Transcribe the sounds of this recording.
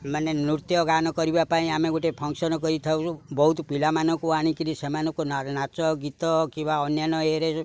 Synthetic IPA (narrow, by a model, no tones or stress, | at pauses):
manenuɾt̪jɔɡanɔkɔɾibapaĩameɡuʈepʰɔŋksɔnɔkɔɾit̪ʰaũt͡ʃʰubɔɦut̪pilamanɔkuaɽ̃ikinisemanɔ̃kunanat͡ʃɔɡit̪ɔkimbaɔnjanɔeɾe